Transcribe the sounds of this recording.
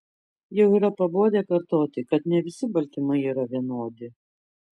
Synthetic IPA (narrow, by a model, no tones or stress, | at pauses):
jɛʊiːɾɐpɐboːd̪ʲeːkɐɾt̪oːt̪ʲɪkɐt̪nʲɛʋʲɪsʲɪbɐlʲt̪ʲɪmɐɪiːɾɐʋʲiɛnoːd̪ʲɪ